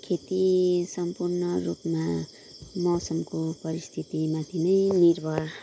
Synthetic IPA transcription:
kʰet̪isʌmpurnʌɾupma | mʌsʌmkopʌɾist̪ʰit̪imat̪ʰinʌjniɾbʱʌ

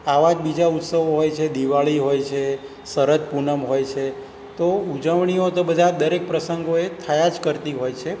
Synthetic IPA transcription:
aʋad͡ʒbid͡ʒaut̪səʋoɦojt͡ʃʰed̪iʋaɭiɦojt͡ʃʰe | səɾət̪punəmɦojt͡ʃʰe | t̪oud͡ʒəʋɳiot̪obəd̪ʱad̪əɾek̚pɾəsəŋɡoet̪ʰəjad͡ʒkəɾt̪iɦojt͡ʃʰe

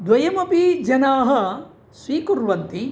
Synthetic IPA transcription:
d̪ʋɐjɐmɐpid͡ʒɐnaːɦɐ̆ | sʋiːkuɾʋɐnt̪i

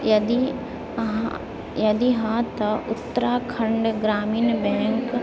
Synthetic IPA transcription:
jɐd̪i | jɐd̪iɦat̪ɐʔʊt̪ːəɾaːkʰə̃ɳɖɡɾaːmiːnbɛ̃ːŋk

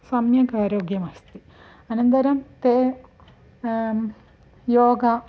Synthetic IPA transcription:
sɐmjɐkaːɾoːɡjɐmɐst̪i | ɐnɐnt̪ɐɾɐmt̪eː | joːɡɐ

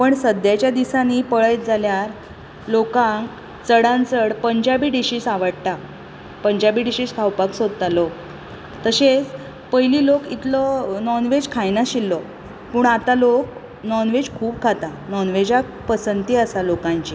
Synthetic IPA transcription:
pəɳsəd̪jat͡ɕjad̪isanipəɭəjt̪̚d͡zaljaɾ | lokãŋk | t͡səɽãnt͡səɽpəɲd͡ʑabiːɖiɕiːsaʋəɽt̪a | pəɲd͡ʑabiːɖiɕiːskʰawpaksod̪̚t̪alok | t̪əɕet͡s | pəjliːlokit̪lɔnɔnʋed͡ʑkʰajnaɕilːɔ | puːɳat̪alok | nɔnʋed͡ʑkʰuːb̚kʰat̪anɔnʋed͡ʑakpəsənt̪iəsalokãɲt͡ɕi

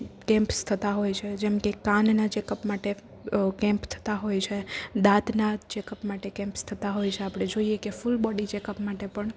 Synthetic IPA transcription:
kɛ̃mpst̪ʰət̪aɦojt͡ʃʰed͡ʒɛmkekannad͡ʒekəpmaʈe | kɛ̃mpt̪ʰə̥t̪aɦojt͡ʃʰed̪at̪nad͡ʒekəpmaʈekɛ̃mpst̪ʰət̪aɦojt͡ʃʰeapɽ̃ed͡ʒoiekefʊlbɔɖid͡ʒekəpmaʈepəɳ

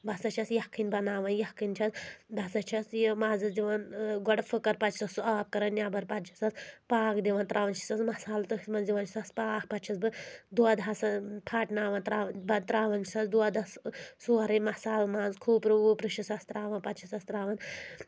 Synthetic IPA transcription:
bɐsɐt͡ʃʰɐsjɐkʰːinʲbɐnaːʋɐnjɐkːint͡ʃʰɐsd̪ɐsɐt͡ʃʰɐsjmaːzɨsd̪iʋɐnɡɔɽfɨkɐɾpɐtt͡ʃʰi̥sɐsuaːp̚kɐɾɐnnʲjaːbɐɾpɐt̪t͡ʃʰi̥sɐspaːkd̪iʋɐnt̪ɾʔaːʋɐnt͡ʃʰi̥sɐsmɐsaːlt̪ɨɦismɐnziʋɐnt͡ʃʰi̥sɐspaːkpɐt͡ʃʰɐsbɨd̪uad̪ɐsɐpʰaːʈnaːʋɐnt̪ɾaːbɐt̪ɾaːʋɐnt͡ʃʰi̥sɐsd̪uad̪ɐssuɐɾɐnʲmɐsaːlmaːzkʰuːpɾɨʋupɾɨʃisɐst̪ɾaːʋɐnpɐt̪t͡ʃʰisɐst̪ɾaːʋɐn

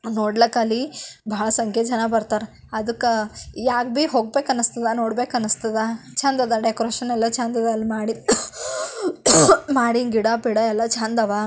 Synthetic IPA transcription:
noːɽlɐkɐlːibʱɐɭɐsɐŋkʰed͡ʒɐnabɐɾt̪aːɾe | ɐd̪ɨkːjaːk̚biɦoːɡ̚beːkɐnɐst̪ɐd̪ɐnoːɽbeːkɐnɐst̪ɐd̪at͡ʃʰaːnd̪ɐd̪ɐɖekoɾeːʃɐnɛlːɐt͡ʃaːnd̪ɐd̪ɐlːimaːɽi | maːɽiɡiɽapiɽɐɛlːɐt͡ʃaːnd̪ɐʋa

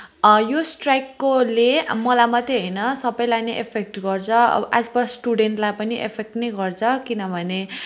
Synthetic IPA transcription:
josʈrajkːolemʌlamʌt̪eɦʌjnʌsʌbʌjlaneʔḛpʰek̚ʈɡʌrt͡sʰʌ̰ʔad͡zbʌsʈuɖeɳʈlajpʌniʔḛpʰek̚ʈnejɡʌrt͡sʰʌkinʌbʱʌne

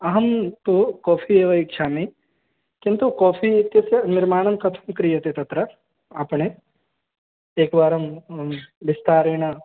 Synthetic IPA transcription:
ɐɦɐmt̪ukɔːpʰieːʋɐikʃaːmi | kint̪ukɔːpʰikesɐnɪɾmaːɳ̃ɐmkɐt̪ʰɐ̥mkɾijɐt̪et̪ɐt̪ɾɐ | apɳe | eːkʋaːɾɐm | ʋɪst̪aːɾeːɳ̃ɐ

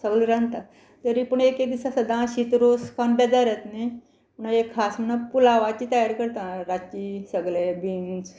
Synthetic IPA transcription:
səbəlɾãnt̪a | t̪əɾipəɳekek̚d̪isasəd̪ʱãɕit̪ɾoskanbɛd̪aɾət̪ne | məɳaekʰːasmənapulaʋat͡ɕiːt̪əjaɾkəɾt̪ãɾat͡ɕisəɡlebind͡z

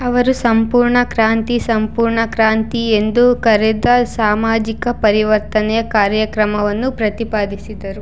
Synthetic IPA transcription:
ɐʋɐɾusɐmpuːɾɳɐkɾaːnt̪isɐmpuːɾɳɐkɾaːnt̪ie̞nd̪ukɐɾɛd̪ɐsaːmaːd͡ʒikɐpɐɾiʋɐɾt̪ɐnɛjɐkaːɾjɐkɾɐmɐʋɐnːupɾɐt̪ipaːd̪isid̪ɐɾu

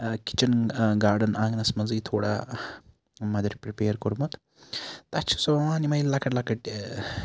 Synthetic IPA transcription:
ki̥t͡ʃɐnɡaːɾɖɐnãːŋɡnɐsmɐd͡zɨjt̪ʰoːɽa̰ | mɐd̪ɐɾʲpɾipeːɾkoɾmɐt̪ | t̪ɐt͡ʃʰu̥sɐʋɐaːnimɐillɐkɐʈlɐkɐʈ

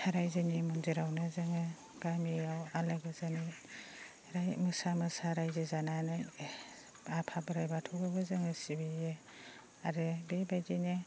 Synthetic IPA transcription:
haɾajzɯnimunziɾawnɯzɯŋɯ | ɡ̥amijawalaɡɯzani | ɾajmɯsamɯsaɾajzɯzananɯ | apʰabɯɾajbatʰubɯbɯzɯŋɯsibije | aɾɯbebajɡine

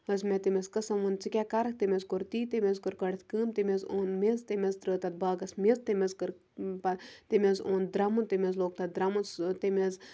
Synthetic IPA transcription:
əzmʲet̪imʲezkɐsɐmont͡sikʲakaɾɐk̚ʰt̪imʲezkoɾt̪iːt̪emʲezkɨɾkɐɽt̪ʰʲkɨːmt̪imʲezoːnmezt̪emʲezd̪ɾəːt̪ɐt̪̚baːɡɐsmezt̪emʲezkɨɾ | pɐt̪imʲezoːnd̪ɾɐmunt̪imʲezloːk̚t̪ɐt̪̚d̪ɾɐmunst̪emez

